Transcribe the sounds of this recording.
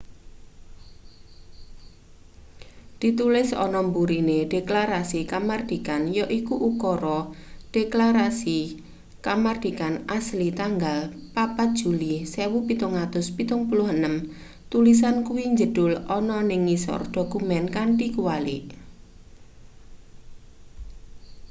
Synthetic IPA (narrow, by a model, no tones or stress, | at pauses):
d̪̥i̤t̪ulɪsɔ̰nɔmbuɾineɖ̥eklaɾasikamard̪̥i̤kanjɔʔikuʔukɔɾɔɖ̥eklaɾasi | kamard̪̥i̤kanʔaslit̪aŋɡalpapat̪̚d̥ʒ̥ṳlisewupit̪ʊŋat̪ʊspit̪ʊŋpulʊhənəm | t̪ulis̬ankuwiɲd͡ʒəd̥ʊlɔnɔnɪŋːisɔ̰rd̥o̤kumɛnkaɳʈikuwali